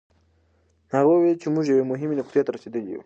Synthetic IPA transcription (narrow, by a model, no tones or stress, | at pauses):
haɣowelt͡ʃemʊʒjawemʊɦɪmenʊqt̪jet̪aɾased̪əlijṵ